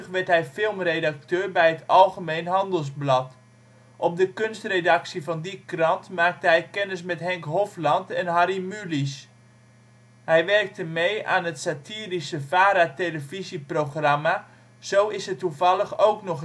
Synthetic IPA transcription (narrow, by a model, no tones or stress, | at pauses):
χʋɛɹtɦɛjfɪlˠmrejdak̚tøːrbɛjɦətɑlˠχəmejnɦɑndəlˠsblɑt | ʔɔp̚dəkønstredɑksivɑndikrɑntmaːk̚təɦɛjkɛnəs̬mɛtɦɛŋkɦɔflɑntɛnɦaɾimylis | hɛjʋɛrk̚təmeja̰ːnɦətsatiːrisəfaːɾateləviziproχrama | z̥owɪshətːuvɑlˠəχowknɔχ